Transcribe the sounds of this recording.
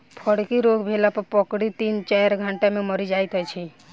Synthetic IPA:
pʰɔɽkiɾoɡbʱelapəɾpɔkɽit̪int͡ʃajɾɡʱãɳʈamẽməɾid͡ʒajt̪ɦɔt͡ʃʰi

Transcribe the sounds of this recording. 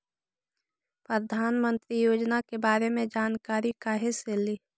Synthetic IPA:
pɾəd̪ʱaːnmə̃nt̪ɾijoːd͡ʒnakebaːɾemẽd͡ʒaːnkaːɾikaɦeseli

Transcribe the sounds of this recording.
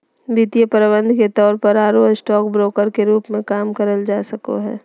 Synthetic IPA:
biːt̪ijəpəɾɪbə̃nd̪ʱket̪ɔːɾpəɾaːɾoːsʈɔːk̚bɾoːkəɾkeɾuːpmẽkaːmkəɾəld͡ʒaːsɐko̰ɦɛ̰ː

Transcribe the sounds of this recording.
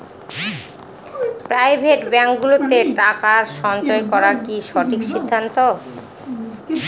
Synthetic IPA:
pɾajbʱeʈbɛŋkɡulot̪eʈakaɾʃɔnd͡ʑoekɔɾakiʃɔʈʰikʃid̪ʱːant̪o

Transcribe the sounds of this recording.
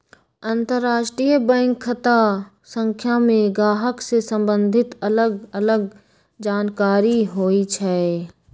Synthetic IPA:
ə̃nt̪əɾːaːʃʈɾijəbɛ̃ːŋkʰːət̪a | sə̃ŋkʰjamẽɡaːɦəksesə̃mbə̃nd̪ʱɪt̪ələɡələɡ | d͡ʒaːnkaːɾiɦoːit͡ʃʰɛ

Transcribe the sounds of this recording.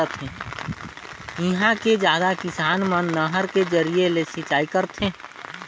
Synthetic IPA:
ət̪ʰẽː | ɪɦãked͡ʒjaːd̪akɪsaːnmənːəɦəɾked͡ʒəɾijelesɪt͡ʃaːikəɾt̪ʰẽː

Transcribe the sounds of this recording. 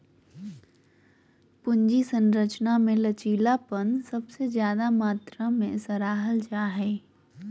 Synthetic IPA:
pʊɲd͡ʒisə̃nɾət͡ʃnamẽlɐt͡ʃiːlapənsɐbsezjaːd̪amaːt̪ɾamẽsɐɾaːɦəld͡ʒaːɦɛː

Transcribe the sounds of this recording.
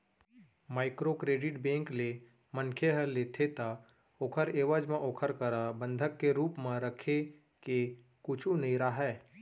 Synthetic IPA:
maːɪkɾokɾeːɖɪʈbẽːŋkle | mənkʰeɦəleːt̪ʰet̪a | oːkʰəɾeːʋəd͡ʒmẽʔoːkʰəɾkəɾabə̃nd̪ʱəkːeɾuːpmẽɾəkʰe | ke | kʊt͡ʃʰũnɐĩɾaɦɛː

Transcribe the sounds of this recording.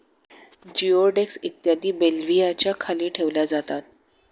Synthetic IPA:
d͡ʑioɖeksit̪jad̪iːbelʋijat͡ɕjakʰaliːʈʰeʋlad͡zat̪at̪̚

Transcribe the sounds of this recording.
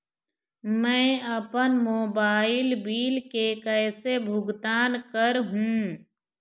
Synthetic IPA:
mɛ̃ːəpənmoːbaːɪlbiːlkekɛːsebʱʊɡt̪aːnkəɾɦũː

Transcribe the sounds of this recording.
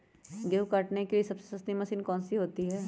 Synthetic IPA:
ɡewkaʈnekeliesɐbse̥sɐst̪imɐsiːnkɔ̃ːnsiɦoːt̪iɦɛː

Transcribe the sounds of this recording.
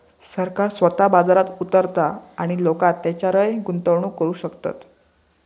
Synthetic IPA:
səɾkaɾsʋət̪abad͡zaɾat̪ut̪əɾt̪aaɽ̃ilokat̪ːat͡ɕjaɾəjɡunt̪əʋɳuːkəɾuːɕəkt̪a̰t̪

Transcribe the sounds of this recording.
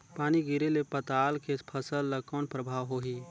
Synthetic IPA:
paːniɡɪɾelepət̪aːlkepʰəsəlːəkɔːnpɾəbʱaːʋɦoːɦi

